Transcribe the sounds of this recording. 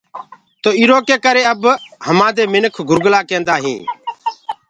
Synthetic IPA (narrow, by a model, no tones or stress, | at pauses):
t̪oːiːɾoːkeːkəɾeːəbhəmaːd̪eːmɪnəkʰɡʱʊɾɡlaːkẽːnd̪aːɦĩː